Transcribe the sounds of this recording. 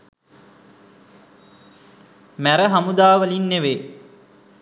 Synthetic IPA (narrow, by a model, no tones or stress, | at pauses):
mæɾəɦamud̪aːʋəlinːeʋe